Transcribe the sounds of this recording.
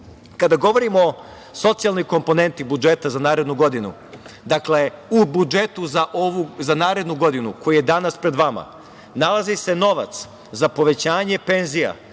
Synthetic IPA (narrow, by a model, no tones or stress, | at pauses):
kad̪aɡo̞ʋo̞ɾimo | so̞t̪sijalˠniko̞mpo̞ne̞nt̪ibud͡ʒe̞t̪azanaːɾe̞d̪nuɡo̞d̪inṵ | d̪akle̞ubud͡ʒe̞t̪uzaʔoʋuzanaːɾe̞d̪nuɡo̞d̪inṵko̞jujed̪anaspɾe̞d̪ʋama̰ | nalˠazise̞no̞ʋa̰t̪s | zapo̞ʋe̞t͡ɕaːɲe̞pe̞nzija̰